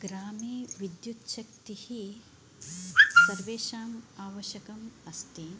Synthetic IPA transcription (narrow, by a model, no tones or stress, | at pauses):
ɡɾaːmiːʋid̪jut̪ʃɐk̚t̪ihi | sɐɾʋeːʃaːmaːʋɐʃjɐkɐmɐst̪i